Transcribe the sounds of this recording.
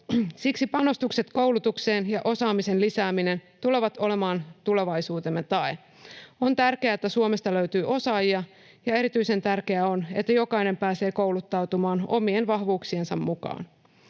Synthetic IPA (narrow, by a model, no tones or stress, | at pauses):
siksipɑno̞st̪ukset̪ko̞wlut̪ukse̞ːnjɑʔo̞sɑːmise̞nlisæːmine̞nt̪uleʋɑt̪o̞le̞mɑːnt̪uleʋɑjsuːt̪e̞mːet̪ɑe | o̞nt̪ærkeæːet̪ːæsuomest̪ɑløɥt̪yːʔo̞sɑːjiɑ | jɑe̞ɾit̪yise̞nt̪ærke̞æo̞ne̞̰t̪ːæjo̞kɑine̞mpæːse̞ːkowlut̪ːɑwt̪umɑːno̞̰mienʋɑɦʋuːksiensɑmːukɑ̰ːn